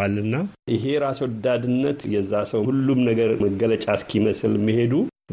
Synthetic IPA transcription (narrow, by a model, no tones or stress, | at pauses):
alɨnːaʔɪɦe̞ɾaswd̪ad̪ɨnːət̪jɛzːasəwhulːumnəɡəɾməɡələt͡ʃʼaskʰiməsɨlmːihe̞d̪u